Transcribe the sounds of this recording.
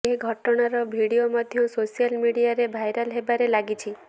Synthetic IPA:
eɡʱɔʈɔɽ̃aɾɔbʱiɽiomɔd̪ʱjɔsosijalmiɽijaɾebʱajɾalɦebaɾelaɡit͡ʃʰi

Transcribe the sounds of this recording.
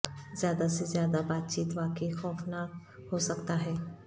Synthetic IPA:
zjaːd̪asezjaːd̪abaːt̪̚t͡ʃiːt̪ʋaːkeixɔːfnaːɦosəkt̪aɦɛː

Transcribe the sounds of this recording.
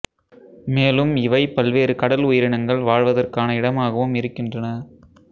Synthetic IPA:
meːlɯmɪʋɐɪpɐlʋeːɾɯkɐɽɐlʊjɪɾɪɳɐŋɡɐɭʋaːɻʋɐðɐrkaːnɐɪɽɐmaːɣɐʋɯmɪɾɯkːɪndrɐnɐ

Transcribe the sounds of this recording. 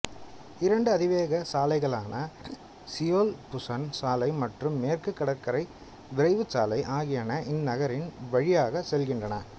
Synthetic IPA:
ɪɾɐɳɖɯɐðɪʋeːɣɐsaːlɐɪɣɐɭaːnɐ | sɪjoːlpʊsɐnsaːlɐɪmɐʈrɯmːeːrkɯkːɐɽɐkːɐɾɐɪ | ʋɪɾɐɪʋɯt͡ʃaːlɐɪʔaːɣɪjaːnɐʔɪnːɐɣɐɾɪnʋɐɻɪjaːɣɐsɛlɣɪndrɐnɐ

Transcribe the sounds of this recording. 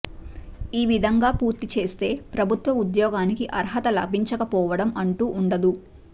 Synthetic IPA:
iːʋid̪ʱɐŋɡaːpuːɾt̪it͡ʃe̞ːst̪e̞ːpɾɐbʱut̪ʋɐud̪jɔːɡaːnikiʔɐɾɦɐt̪ɐlɐ̰bʱiɲt͡ʃɐkɐpɔːʋɐɽɐmɐɳʈuːʔːɳɖɐd̪u

